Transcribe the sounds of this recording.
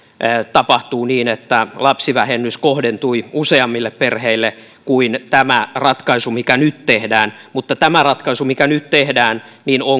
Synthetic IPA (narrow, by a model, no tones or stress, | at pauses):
t̪ɑpɑht̪uːniːnet̪ːælɑpsiʋæhenːyskohdent̪uiuseɑmːilːepperheilːe | kuint̪æmærɑt̪kɑisumikænyt̪t̪ehdæːnmut̪ːɑt̪æmærɑt̪kɑisumikænyt̪t̪ehdæːn | nino